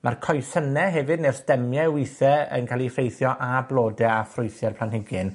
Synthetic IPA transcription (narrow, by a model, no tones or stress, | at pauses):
markʰɔjsənɛɦɛvɨdnɛrsd̥ɛmjɛwɪjθɛə̰nkʰalˠifejθjɔʔablˠoːdɛafrʊjθjɛrpʰlanhɪɡɪn